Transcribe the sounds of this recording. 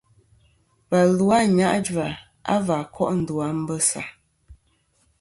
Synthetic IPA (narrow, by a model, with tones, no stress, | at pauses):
pa˨lu˦a˦˨ɲa˦ʔd͡ʒwa˨ | a̰˦va˨kʰɔ˦˨ʔn̩˨du˨a˨˦m̩˦bə˦sa̰˨